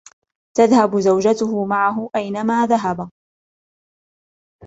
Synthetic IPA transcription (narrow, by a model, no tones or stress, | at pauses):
t̪aðhabzawd͡ʒat̪ʊhʊmaʕaɦʊʔajnamaːðaɦab